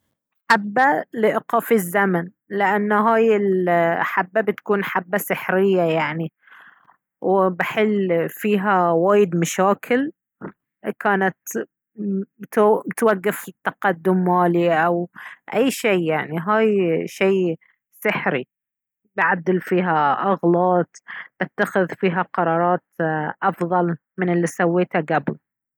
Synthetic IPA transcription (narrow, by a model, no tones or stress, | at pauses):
ħabːalɪʔɪqɑːfizːaman | lɪʔanːɦaːjɪlħabːabɪt̪kuːnħabːasɪħɾɪjːajaʕni | wɪbɪħɪlːfiːɦawaːjɪd̪maʃaːkʰɪl | kaːnat̪ | t̪mɪt̪waɡːɪft̪ːɑqɑd̪ːʊmːaːliʔawʔajːʃeːjaʕniɦaːjʃeː | sɪħɾi | bɪʕad̪ːɪlfiːɦaʔaɣlɑːt̪ˤb̥ɪt̪ːaxɪðfiːɦaqɑɾˤɑːɾˤɑːt̪ʔɑfðˤɑl | mɪnɪlːisawːeːt̪haɡabl